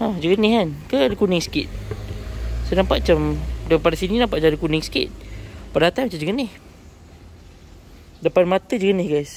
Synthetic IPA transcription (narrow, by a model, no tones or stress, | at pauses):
ad͡ʒəɡənɪhankəadəkunɪŋsə̥kit̪̚ | sonampaʔt͡ʃamdəpadasininampaʔamdəkunɪŋsə̥kɪ̰t̪̚padat̪ajmat͡ʃamd͡ʒəɡənɪh | dəpanmat̪əd͡ʒəɡənɪhɡajs